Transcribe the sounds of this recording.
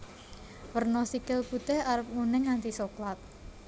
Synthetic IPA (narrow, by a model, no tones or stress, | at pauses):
wərnɔsikɪlput̪ɛhaɾəp̚munɪŋːant̪isoklat̪̚